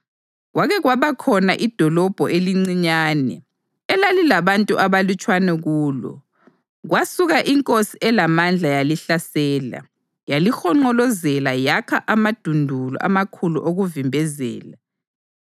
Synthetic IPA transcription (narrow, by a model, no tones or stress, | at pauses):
ɣwaɣɛɣwaβakʰɔnaʔid̥ʱɔlɔb̥ʱɔʔeliŋ͡ǀiɲaːnɛ̰ | ɛlalilaβantʼuʔaβalut͡ʃʼwanɛɣuːlɔ̰ | ɣwasuɣaʔiŋkʼosiʔɛlamand͡ɮʱajaliɬasɛːla̰ | jalixɔŋ͡ǃɔlɔzɛlajakʰaʔamad̥ʱundʱulɔ̰ʔa̰makʰuluʔoɣuvimbʱɛzɛ̰ːla